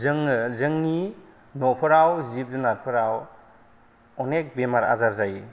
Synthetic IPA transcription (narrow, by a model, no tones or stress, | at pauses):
zɯŋzɯŋni | nɔpʰɯɾawzip̚zunat̚pʰɯɾaw | ɔnek̚bemaɾa̰zaɾzaj